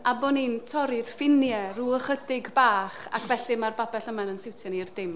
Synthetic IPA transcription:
aboːnintʰɔɾɪð̥fɪnjɛruːəχədɪɡbaːχa̰kʰvɛɬimarbabɛɬəmanənsɪwtʰjanirdɪm

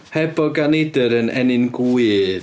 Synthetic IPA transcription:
hɛbɔɡanedəɾənʔɛ̰nɪnɡuɨð

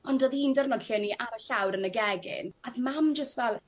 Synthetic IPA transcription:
ɔndoðindɔrnɔd̥ɬiniʔaɾəɬawɾənəɡɛɡɪ̰naθmamd͡ʒəstvɛlˠ

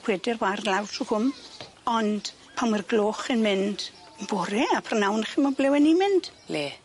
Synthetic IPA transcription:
w̥ɛdɪrwarlawtʰuhʊm | ɔnd̥ | pʰamwarɡloːχənmɪnd̥ | bɔɾɛapʰarnawnχimablɛwɛnimɪnd̥le

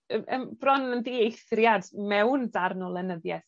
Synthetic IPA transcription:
əʔəmb̥rɔnəndiejθrjadmɛwndarnɔlˠɛnəðjɛθ

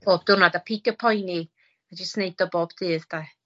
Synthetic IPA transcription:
b̥ɔb̚d̥̪ʊnad̪apʰitəpʰɔjni | ad͡ʒəsnej̚d̥ɔbɔb̥d̪ɪːðd̥̪a

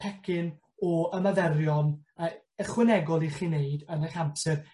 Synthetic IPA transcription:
pʰɛkʰɪn | ɔəmavɛrjɔnə | əχwɪnɛɡɔlˠiχiːneɨdənɛχampsɛr

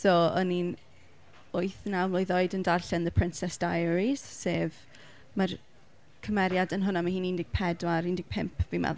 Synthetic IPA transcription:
sɔɔnin | ʊɨθnawmlˠojðoɨdəndarɬɛnðəpʰrɪnsɛsd̥ajɾiz̥seːv | mar | kʰəmɛɾjadənɦʊnamahiːnindɪɡ̥̚pʰɛdwaɾindɪɡ̚pʰɪmpʰvima̰

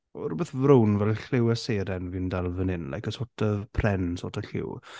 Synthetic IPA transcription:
ɔ̰rʊbɛθvrownvɛlɬɪwəseːɾɛnviːndalˠvənɪnla̰jkəsoːtʰəpʰrɛnso̰ːtʰəɬɪ̰w

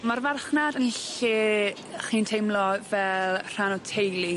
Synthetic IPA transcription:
marvarχnadənɬeː | χiːntʰejmlɔvɛlˠr̥anɔtʰejlˠi

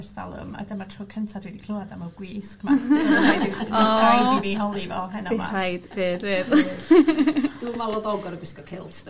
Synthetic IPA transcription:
ɛrsda̰lˠʊ̰ma̰damatʰroːkʰəntʰadwɛdikʰlˠoːadamaɡwiːskma | ɔajdviɦɔlˠivɔɦɛnɔear̰ajd̥vɨːðveð | d̥uːmalˠɔðɔɡɔɾəbɪskɔkʰɪlˠtʰ

